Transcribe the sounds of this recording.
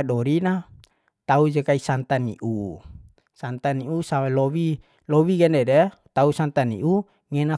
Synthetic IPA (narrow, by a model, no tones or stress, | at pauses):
ɗɔɾina | t̪aud͡ʒekaisant̪anḭʔu | sant̪aniusamalɔwi | lɔwiɡɛndɛdɛt̪ausant̪anḭʔu | ŋɛna